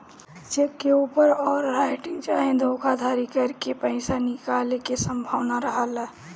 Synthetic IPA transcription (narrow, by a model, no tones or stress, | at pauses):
t͡ʃekːeupəɾɔːɾɾaɪʈɪŋɡt͡ʃaɦẽd̪ʱokʰad̪ʱaɾikəɾkepəɪsanikalekesəmbʱaʋnaɾəɦəl